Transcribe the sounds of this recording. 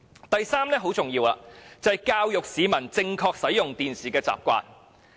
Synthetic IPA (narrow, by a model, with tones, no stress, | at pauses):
t̪ɐ˨jsaː˥mnɛː˥ɦo˨˥wt͡sʊ˨ŋjiː˧wa̰ː˧t͡sɐ˨ɐ˨jkaː˧wjʊ˨k̚siː˨˧mɐ˨˩nt͡sɪ˥˧ŋkʰɔː˧k̚sɐ˨˥jʊ˨ŋt̪iː˨nsiː˨kɛː˧t͡sa̰ː˨p̚kʷa̰ː˧n